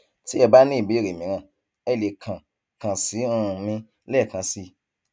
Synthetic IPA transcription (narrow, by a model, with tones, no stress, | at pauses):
ti˦ɛ˦˨ba˦nĩ˦˨bi˨˦˨ɾe˨mĩ˨˦ɾ̃ã˧˨ | ɛ˧˨le˨kʰã˨ | kã˨si˨˦ũ˦˧˨mĩ˧ | lɛ˦˨kã˧si˧˦